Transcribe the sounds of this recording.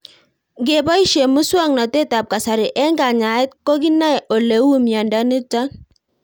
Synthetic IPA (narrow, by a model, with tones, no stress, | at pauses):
ɡe˨ba˦i˦ʃe˨mu˦swa˦˨ŋna˨tɛ˦ta˨p̚ka˨sa˨ɾi˨ʔɛ˦ŋɡa˨ɲa˨ɪ˦tko˦ɡi˦na˦jo˨le˨wu˦mja˨nda˦ni˦ta˦n